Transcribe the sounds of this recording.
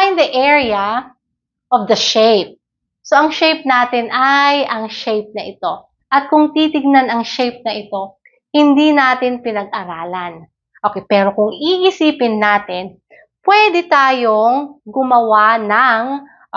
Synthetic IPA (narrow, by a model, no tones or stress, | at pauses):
jnd̪ɐʔɛɹiɐ | ʔɔvd̪ɐʃejp̚ | so̞ʔɐŋʃejp̚naːt̪ɪnʔajʔɐŋʃejp̚nɐʔɪt̪o̞ | ʔɐt̪̚kʊŋt̪iːt̪ɪɡ̚nanɐŋʃejp̚nɐʔɪt̪o̞ | hɪnd̪inaːt̪ɪnpɪnɐɡ̚ʔɐɾaːlɐn | ʔokɛjpɛːɾo̞kʊŋiʔɪsiːpɪnːaːt̪ɪn | pwɛd̪ɛt̪aːjoŋɡʊmɐwanɐŋ